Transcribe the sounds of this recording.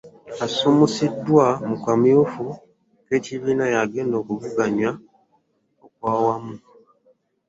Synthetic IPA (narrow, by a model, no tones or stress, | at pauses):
asumusidːwamukamufu | ke̞ːciβiːnajaɡeːndo̞ːkuvuɡaɲwa | okwaːwamu